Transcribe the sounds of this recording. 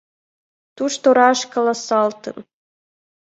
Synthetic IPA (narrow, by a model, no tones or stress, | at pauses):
t̪uʂt̪oɾɑʃkolˠɑsɑlˠt̪ɤ̰̆m